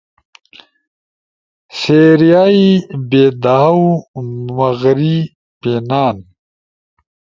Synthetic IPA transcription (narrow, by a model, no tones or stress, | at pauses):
seːɾijaːibeːd̪aːumɐɣɾi | peːnaːn